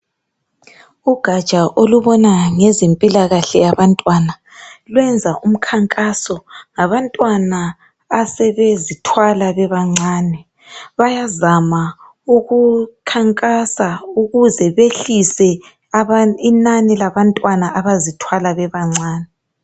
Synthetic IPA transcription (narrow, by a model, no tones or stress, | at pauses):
uɡ̥ʱad̥ʒ̥ʱʼaʔoluβɔnaŋɛzempʼilaɣaɬɛjaβantʼwana | lwɛnd͡zʱaʔum̩kʰaŋkʼasɔŋaβantʼwanaː | sɛβezitʰwalaβɛβaŋ͡ǀaːnɛ | βajazama | uɣukʰaŋkʼasauɣuzɛβeɬisɛ | inanɛlaβantʼwanaʔaβazitʰwalaβɛβaŋ͡ǀaːnɛ